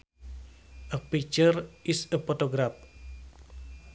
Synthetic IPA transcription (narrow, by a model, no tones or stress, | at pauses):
ʔəpit͡ʃərisəpɔt̪oɡɾap̚